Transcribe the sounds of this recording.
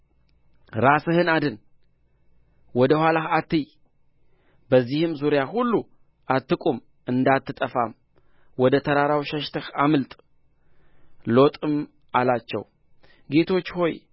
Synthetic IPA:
ɾasɨhɨnad̪ɨn | wɔd̪əhʷwalahat̪ːɨj | bəzːihɨmzuɾjahulːu | ʔat̪ːɨkʼum | ɨnd̪at̪ʰːɨt̪ʼəfam | wɔd̪ət̪ʰəɾaɾawʃɛʃt̪ʰəhamɨlt̪ʼ | lo̞t̪ʼɨm | alat͡ʃːɛ̰w | ɡe̞t̪ʰo̞t͡ʃːho̞j

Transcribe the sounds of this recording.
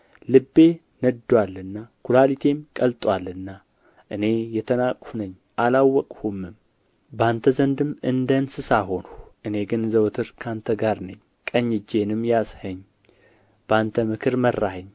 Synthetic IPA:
lɨbːe̞ | nəd̪ːwalːɨnːakʰulalit̪ʰe̞mkʼəlt̪ʼwalːɨnːa | ʔɨne̞jɛt̪ʰənakʼhunəɲː | ʔalawːɔkʼhumːɨm | bant̪ʰəzənd̪ɨmɨnd̪ənsɨsaɦo̞nuʔɨne̞ɡɨnzəwt̪ʰɨɾkʰant̪ʰəɡaɾnəɲː | kʼəɲːɨd͡ʒːe̞nɨmjashəɲː | b̥əant̪ʰəmɨkʰɨɾmərːahəɲː

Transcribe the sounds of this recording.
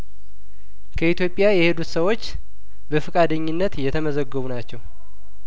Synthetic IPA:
kʰəit̪jo̞pʼjajɛhe̞d̪ut̪səwo̞t͡ʃː | bəfɨkʼad̪əɲːɪnːət̪jɛt̪ʰəməzəɡːəβunat͡ʃːɛw

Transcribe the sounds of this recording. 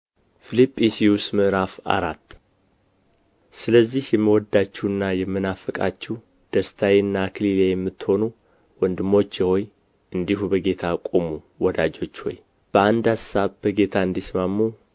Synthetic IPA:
filipʼːisiusmɨɾafa̰ɾat̪ː | sɨləzːihjɛmːiwɔd̪ːat͡ʃːɛwɨnːajɛmːɨnafəkʼa̰t͡ʃːɛw | d̪̥əst̪ʰajɨnːakʰɨlilejɛmːɨt̪ːho̞nu | wɔnd̪ɨmːo̞t͡ʃːjɛho̞j | ʔɨnd̪ihubəɡe̞t̪ʰakʼomu | wɔd̪ad͡ʒo̞t͡ʃːho̞̰j | b̥əand̪hasaβb̥əɡe̞t̪ʰaɨnd̪ismamːu

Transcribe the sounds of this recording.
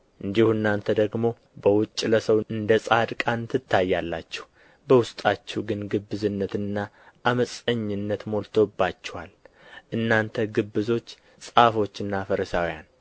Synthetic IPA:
ʔɨnd̪ihuɨnːant̪ʰəd̪əɡmo̞ | bəwʊt͡ʃʼːləsəwɨnd̪əsʼad̪kʼant̪ʰɨt̪ːajːalːa̰t͡ʃːɛ̥h | bəwʊst̪ʼat͡ʃːɛɡɨnɡɨbːɨzɨnːət̪ɨnːa | ʔaməsʼəɲːɨnːət̪mo̞lt̪ʰo̞bat͡ʃːɛwal | ʔɨnːant̪ʰəɡɨbːɨzo̞t͡ʃː | sʼafo̞t͡ʃːɨnːafəɾəsawja̰n

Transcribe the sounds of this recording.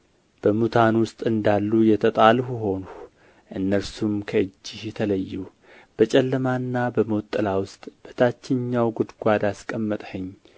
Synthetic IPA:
b̥əmut̪ʰanwʊst̪ʼɨnd̪alːujɛt̪ʰət̪ʼalhuɦo̞nu | ʔɨnːəɾsumkʰəɨd͡ʒːɪhjɛt̪ʰələjːu | b̥ət͡ʃʼɛlːəmanːabəməwt̪ʼːɨlawʊst̪ʼb̥ət̪ʰat͡ʃːɪɲːawɡʊd̪ɡʷad̪askʼəmːət̪ʼhəɲː

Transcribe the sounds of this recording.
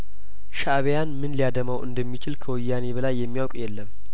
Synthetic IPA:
ʃaβejanmɨnlijad̪əmawʔɨ̰nd̪əmːit͡ʃɪlkʰəwəjːane̞bəlajːɛmːijawkʼjɛlːəm

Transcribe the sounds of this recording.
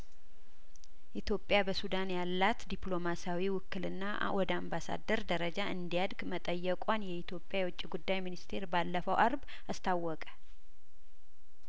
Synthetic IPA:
ʔit̪ʰjo̞pʼjabəsud̪anjalːat̪d̪iplo̞masawiwʊkːɨlɨnːa | wɔd̪əambasa̰d̪əɾd̪əɾəd͡ʒaʔɨnd̪ijad̪ɡmət̪ʼəjːɛkʼanjɛit̪ʰjo̞pʼːjajɛwʊt͡ʃʼːiɡud̪ːajminist̪ʰe̞ɾbalːəfəwʔaɾb | ast̪ʰawːɔkʼə̥

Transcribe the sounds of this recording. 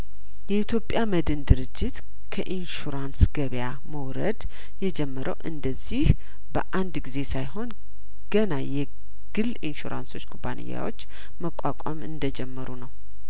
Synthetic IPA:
jɛʔit̪jo̞pʼjaməd̪ɨnd̪ɨɾɨd͡ʒːɪt̪ | kʰəʔinʃuɾansɡ̥əβja | məwɾəd̪ | jɛd͡ʒɛmːəɾʔəwʔɨnd̪əzːih | bə̰ʔand̪ɡize̞sajɦo̞n | ɡ̥ənajɛ | ɡ̥ɨlinʃuɾʔa̰nso̞t͡ʃːkʰuba̰nɨ̰jːa̰wo̞̰t͡ʃː | məkʷʼakʷʼamɨnd̪əd͡ʒɛmːəɾunəw

